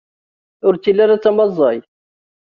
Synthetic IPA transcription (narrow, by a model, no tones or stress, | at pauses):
ʊɾt͡s̪ːilːaɾat͡sːɑmɑzˤːɑj